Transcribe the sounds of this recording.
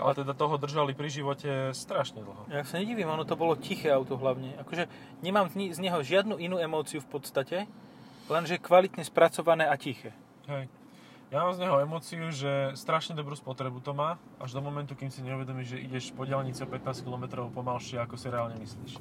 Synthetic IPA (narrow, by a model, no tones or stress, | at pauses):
ʔa̰lat̪ɛd̪at̪ɔɦɔd̪r̩ʒalipɾiʒiʋɔcɛst̪ɾaʃɲɛd̪l̩ˠɦɔjaaksaɲɛɟiːʋiːmɔnɔt̪ɔbɔlɔcixɛːaʊt̪ɔɦlaʊɲɛakɔʒɛ | ɲɛmaːmzɲizɲɛɦɔʒɪad̪nuːinuːɛmɔːt͡siufpɔt̪st̪acɛ | lɛnʒɛkʋalit̪ɲɛspɾat͡sɔʋanɛːacixɛː | ɦɛj | jamaːmzɲɛɦɔɛmɔːt͡siuʒɛst̪ɾaʃɲɛd̪ɔbɾuːspɔt̪ɾɛbut̪ɔmaː | ʔaʒd̪ɔmɔmɛnt̪ukimsiɲɛuʋɛd̪ɔmiːʒʒɛʔḭɟɛʃpɔɟɪɛlɲit͡sɛɔpɛt̪naːskilɔmɛt̪ɾɔʊpɔmalʃɪɛakɔsiɾɛaːlɲɛmisliːʃ